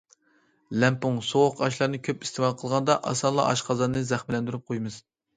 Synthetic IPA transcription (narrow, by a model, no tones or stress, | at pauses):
lɛmpuŋsoʁʊqʰɑʃ̬lˠɑɾnɨkʲʰøpi̥st̪ʰɪmɑqʰəlˠʁɑnd̪ɑʔɑ̰sɑnlˠɑ̰ʔɑ̰ʃqʰɑzɑɾnɨzæχmɪlɛnd̪yɾyp̚qʰojmɨz̥